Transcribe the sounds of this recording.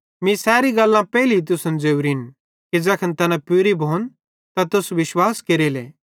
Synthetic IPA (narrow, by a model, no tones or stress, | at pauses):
mĩsɛːɾiɡɐlːãpɛːlit̪̬ʊsɐnd͡ʒeːʋɾin | kid͡ʒɐkʰənt̪ɐnãpuːɾibʱoːn | t̪at̪ʊsʋɪʃwaːskeːɾeleː